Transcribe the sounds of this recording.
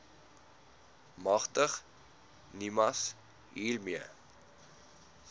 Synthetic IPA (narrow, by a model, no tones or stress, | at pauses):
mɐχtəχ | nimɐs | ɦiːlmiə